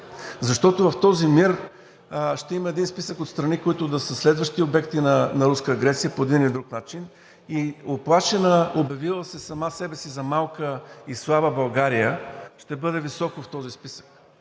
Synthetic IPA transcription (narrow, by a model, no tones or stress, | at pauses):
zɐʃt̪ɔt̪ʊvɐft̪ɔzimiɾ | ʃt̪ɛimɐɛd̪inspisəkot̪st̪ɾɐnikoit̪ʊd̪ɐsəslɛd̪vəʃt̪iobɛkt̪inɐnɐɾuskəːɡɾɛt̪sijəpoɛd̪inid̪ɾuknat͡ʃin | ioplˠaʃɛnəobjɐvilˠəsɛsɐmasɛbɛsizɐmalˠkəislˠabəbɐlˠɡaɾijəʃt̪ɛbɤd̪ɛvisɔkoft̪ɔzispisə̥k